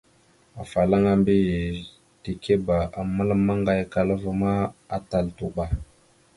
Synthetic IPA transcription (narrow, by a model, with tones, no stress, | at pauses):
a˨fa˨la˦ŋa˦mbi˦˨ | ti˨ke˦ba˨a˨mə˦lma˦ŋɡa˦jka˨lə˦və˦ma˦a˨ta˨ltu˨ɓa˨